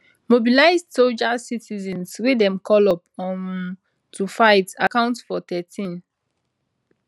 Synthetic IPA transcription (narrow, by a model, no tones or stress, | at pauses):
mobilaɪzdsod͡ʒasitizɛ̃nsɹidɛ̃mkʰɔlɔp̚ɔ̃n | tufaɪtakãʊ̃ntsfɔt̪ɛtʰĩn